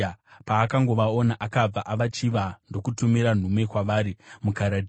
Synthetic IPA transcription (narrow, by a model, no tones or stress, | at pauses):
paːkaŋɡo̞ʋaonaʔakab͡vaʔaʋat͡ʃiʋando̞kutumiɾan̤umwe̞kwaʋaːɾimukaɾad